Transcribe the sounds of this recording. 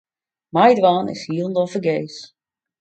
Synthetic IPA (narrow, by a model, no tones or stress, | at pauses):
majdʋaːnɪ̰shiəlˠndɔfəɡejs